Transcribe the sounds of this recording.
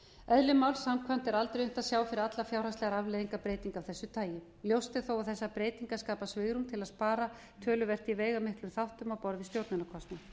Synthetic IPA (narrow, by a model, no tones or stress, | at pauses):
œðlʏmawlsamkʰvam̥t̪ɛɾalt̪ɾejʏm̥t̪aðsjaːwfɪɾɪɾat̪lafjawɾ̥asɛɣaɾavleðiŋkapɾeːjt̪iŋkawθɛsːʏt̪ʰaːjɪ | ljowst̪ɪθowaðθɛsːapɾeːjt̪iŋkaskaːpasvɪːɣɾumt̪ʰɪlaðspaːɾa | t̪ʰœːlʏvɛr̥t̪iveːjɣamɪhklʏmθawht̪ʏmawpɔɾðɪst̪jowɾt̪nʏnakʰɔst̪mna